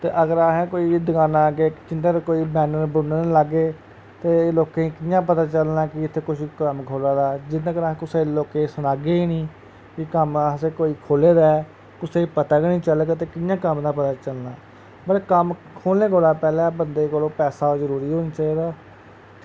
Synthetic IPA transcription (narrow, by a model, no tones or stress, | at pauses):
t̪ḛːʔəɡəɾaːɦɛ̃ːkoːiːd̪əkaːnãːket͡ʃɪnʈeːɾkoːiːbɛːnəɾbʊnənːləɡeː | t̪eːloːkẽːĩːkɪjãːp̬ət̪aːt͡ʃəlnãːkɪɪt̪ʰːeːkʊʃkəmkʰoːlãːd̪aːd͡ʒɪnːãːɡəɾãːkʊseːloːkẽsənaːɡeːiːnĩː | kɪkəmaseːkoːiːkʰoːleːɾɛː | kʊseːipət̪aːkɪnĩːt͡ʃələɡt̪̬eːkɪjãːkəmd̪aːpət̪aːt͡ʃəlnãː | bəɽkəm | kʰoːlneːkoːlaːpɛːlɛːbənd̪eːkoːlõːpɛːsaːzəɾuːɾiːɦoːnaːt͡ʃaːiːd̪aː